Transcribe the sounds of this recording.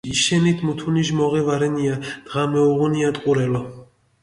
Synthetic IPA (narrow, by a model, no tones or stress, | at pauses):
iʃɛnit̪ʰmut̪ʰuniʒmɔʁɛvaɾɛniad̪̥ʁamɛuʁuniat̪ʼqʼuɾɛlɔ